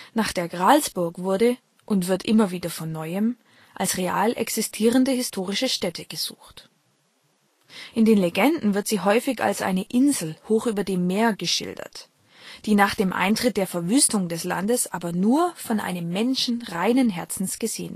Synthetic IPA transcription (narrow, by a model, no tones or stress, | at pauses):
naːχd̥eːɐɡʁalsb̥ʊɐkvʊɐdə | ʔʊntv̥ɪɐtʔɪmɐviːdɐfɔnːɔʏəm | ʔalsʁeaːlʔɛ̰ksɪstʰiːʁəndəhɪstʰoːʁ̞ɪʃəʃtɛtʰəɡ̥əz̥ṵːxt | ʔɪndeːnleɡɛndn̩vɪɐtz̥iːɦɔʏfɪça̰lsʔa̰ɪnəʔɪnzl̩hoːxʔyːbɐdeːmːeːɐɡəʃɪ̰ldɐ̰t | d̥iːnaːχd̥eːmʔa̰ɪntʁ̥ɪt̚d̥eːɐfɛɐvyːstʊŋdɛsla̰ndəsʔaːbɐnuːɐfɔnʔa̰ɪnəmːɛnʃn̩ʁaɪnənɦɛɐt͡sn̩sɡ̥əzeːən